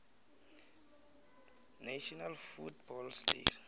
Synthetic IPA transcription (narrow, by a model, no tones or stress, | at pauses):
naʃɔnalfutbɔlslḭ